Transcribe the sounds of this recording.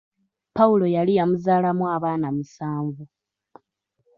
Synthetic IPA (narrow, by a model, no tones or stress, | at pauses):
pawulo̞jalijamuzaːlamuwaβaːnamusaːɱvu